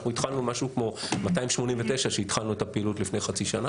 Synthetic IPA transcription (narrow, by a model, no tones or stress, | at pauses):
χnuit̪χalnumaʃukmo̞mat̪aimʃmo̞nimvet̪e̞ʃaʃeit̪χalnuet̪apeilutlifnejχat͡siʃana